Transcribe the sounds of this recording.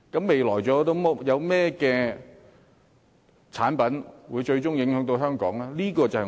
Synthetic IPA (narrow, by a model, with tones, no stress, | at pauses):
kɐ˨˥mːe˨jlɔː˨˩jt͡sɔː˨˥t̪o˥wm˥jɐ˨˧wmɛː˥kɛː˧ | t͡sʰaː˨˥npɐ˨˥nwuː˨˧jt͡ʃɵ˧ɥt͡sʊ˥ŋjɪ˨˥ŋhœː˨˥ŋt̪o˧wɦœː˥ŋkɔ̰ː˨˥ŋlaː˥liː˥kɔː˧t͡sɐ˨hɛ˨˩